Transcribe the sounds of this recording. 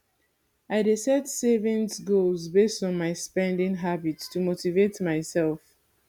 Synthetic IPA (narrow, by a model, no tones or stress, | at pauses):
aɪdesɛtsevɛ̃nsɡolzbestɔ̃nmaɪspɛ̃ndĩŋɦabitstumotivetmaɪsɛlˠf